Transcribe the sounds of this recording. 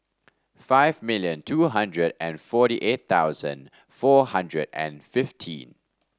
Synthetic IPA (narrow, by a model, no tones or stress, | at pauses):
faɪvmɪljə̃ntʰuɦãndɹədɛ̃nfɔɾiʔet̪̚t̪aʊzə̰̃n | fɔhãndɹədɛ̰̃nfɪftʰḭ̃n